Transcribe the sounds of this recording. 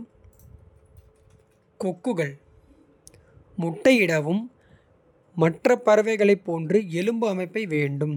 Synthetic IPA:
kɔkːɯɣɐɭ | ʊʈːɐɪjɪɽɐʋɯm | ɐʈrɐpːɐɾɐʋɐɪɣɐɭɐɪpːoːndrɯɛlɯmbɯɐmɐɪpːɐɪʋeːɳɖɯm

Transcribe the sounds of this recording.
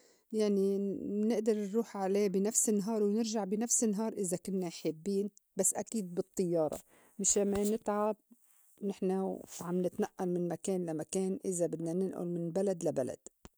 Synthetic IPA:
jaʕninɪʔd̪ɑɾˤnɾuːħʕaleːbinafsɪnːɦɑːɾˤwnɪɾʒaʕbinafsɪnːɦɑːɾˤʔɪzakʊnːajħɪbːiːnbasːʔakiːd̪̚bɨt̪ˤːɨjːɑːɾˤɑ̰ | mɪʃlamːanɪt̪ʕab̚ | nɪħnaʕamnɪt̪naʔːalmɪnmakeːnlamakeːnʔɪzabɪd̪nanɪnʔʊ̰lmɪnbalad̪labala̰d̪̥

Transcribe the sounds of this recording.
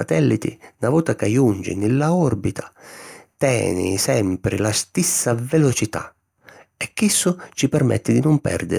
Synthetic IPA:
a̰t̪ɛlːit̪ḭnavuːt̪akajund͡ʒḭnɪlːaɔrbit̪ʰḁt̪ɛ̰ːnɪ̰sɛmpɾɪlast̪isːavelot͡ʃit̪a̰ | ɛkːisːʊt͡ʃipɛrmɛ̰t̪ːɪd̪inʊmpɛ̰rd̪ɪ̰

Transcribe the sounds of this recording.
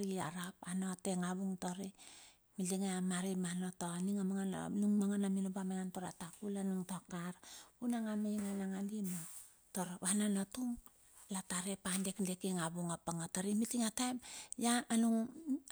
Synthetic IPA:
ɾiaɾapano̞teŋaβuŋtoɾi | miliŋeamaɾimanotoaniŋamaŋan̰nuŋmaŋanaminobameŋantoɾatakulanuŋtokaɾunaŋamejŋanaŋalimo | toɾβananotuŋ | lataɾepandekndekeŋaβuŋapaŋataɾimitiŋatajmjaːnuŋ

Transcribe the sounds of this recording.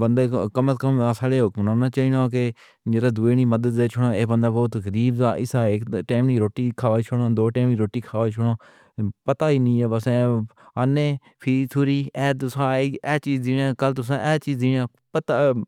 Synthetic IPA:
bənd̪eːkəməskəmasaːleːɦʊkmnaːnaːt͡ʃaːiːnaːk̬e | d͡ʒeːɾaːd̪uːeːniːməd̪əd̪eːt͡ʃʰʊɽãːeːbənd̪aːbɔːt̪ɣəɾiːbzaːʔɪsaːekʈeːmniːɾoːʈiːkʰaːʋaːt͡ʃʰʊɽaːd̪oːʈɛːmiːɾoːʈiːkʰaːʋaːt͡ʃʰʊɽ̃aː | pət̪aːiːnĩːɛːbəsɛːanẽː | pʰiɾiːt̪ʰʊːɾiːɛːt̪ʊsãːeɛːt͡ʃiːzd̪iːnãːkəlt̪ʊsãːʔɛːt͡ʃiːzd̪inãː | pət̪aː

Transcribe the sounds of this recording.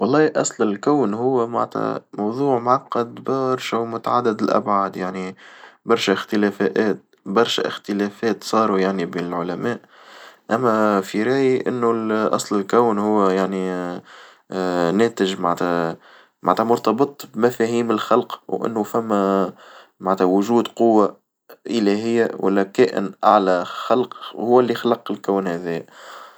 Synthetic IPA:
wɑlˤːɑːiʔɑsˤlɪlkæwnɦʊwːæma̰ʕt̪ʰæ̰mɑwðˤuːʕmʕɑqːɑd̪bɑɾʃæmʊt̪aʕad̪ːɪd̪ɪlʔæ̰bʕad̪jaʕnibɑɾˤʃæɪxt̪əlæfæʔæːt̪̚ | bɑɾˤʃæ̰ʔɪxt̪əlæːfæːt̪sˤɑːɾˤujaʕnibiːnɪlʕʊlæmæːʔ | ʔæmːæfiɾɑːjiʔɪnːulʔɑ̰sˤlɪlkæwnhʊwːjaʕni | næːt̪ɪʒmant̪æ | mʔa̰nt̪æmʊɾt̪ɑbɨt̪ˤbmæfæːhiːmɪlxɑlqwʔɪ̰nːʊfæmːæ | maʕnt̪hæwʊʒuːd̪qʊwːa | ʔɪlæɦɪjːawʔæ̰lːækæːʔɪ̰nʔaʕlæxɑlqhʊwːælːixlɑqɪlkæːnhæðiːjæ

